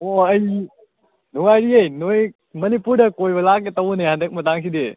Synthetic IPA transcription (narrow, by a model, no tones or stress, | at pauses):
oɐj | nuŋajɾiɐjnoj | mɐnipuɾdɐkojbɐlak̚etɐwnehandek̚mɐtaŋs̬ide